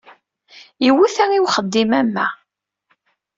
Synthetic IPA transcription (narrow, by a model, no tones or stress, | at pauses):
iwuθæŋiwχəd̪ːimæmːæ